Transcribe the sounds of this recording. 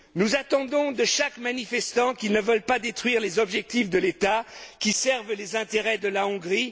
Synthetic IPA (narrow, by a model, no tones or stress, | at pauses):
nuzat̪ɑ̃d̪ɔ̃d̪əʃakmanifɛst̪ɑ̃kilnəvœlpad̪et̪χwɥiʁlezɔbʒɛk̚t̪ifd̪əlet̪akʲisɛʁvlezɛ̃t̪eʁɛd̪əlaɔ̃ɡʁi